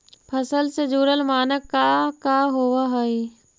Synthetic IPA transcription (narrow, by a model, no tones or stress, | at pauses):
pʰəsəlsed͡ʒuːɾəlmaːnəkːakaɦoʋaɦoi